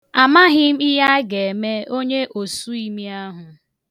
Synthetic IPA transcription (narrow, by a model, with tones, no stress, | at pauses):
a˨ma˦ɦɪ˦m̩˦ɪ˦ɦa˦ɡe˨e˨me˦o˦ɲe˦ʔo˨su˦i˦mi˦a˦ɦʊ˨